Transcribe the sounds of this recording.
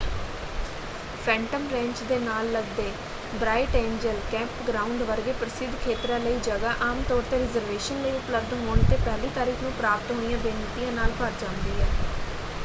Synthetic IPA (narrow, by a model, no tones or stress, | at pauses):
pʰɛ̃ːɳʈəmɾɛ̃ːɲt͡ʃd̪eːnaːlːəɡd̪eː | bɾaːɪʈẽːɲd͡ʒəlkɛ̃ːmpɡɾãːʊɳɖʋəɾɡeːpɾəsɪd̪ʱkʰeːt̪ɾaːləiːd͡ʒəɡaːʔaːmt̪ɔːɾt̪eːɾɪzəɾʋeːʃənləiːʊpləbd̪ɦoːɳt̪eːpɛːliːt̪aːɾiːkʰnũːpɾaːpət̪ɦoːnijãːbeːnət̪ijãːnaːlpəɾd͡ʒãːnd̪iːɦɛː